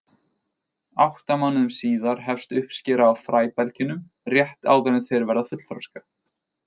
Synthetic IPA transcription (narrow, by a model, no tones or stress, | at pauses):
awht̪amanːʏmsiːðaɾ̥ɦɛfst̪ʏhpscɪːɾaːwfɾaːjpɛlcɪnʏm | rjɛht̪a̰ːwðaɾnɪðθɛɾvɛɾðafʏt̪l̥θfɾawska